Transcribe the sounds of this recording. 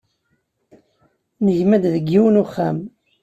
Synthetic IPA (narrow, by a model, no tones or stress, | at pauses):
nəʝmæd̪ðəɡːiwnuχːæm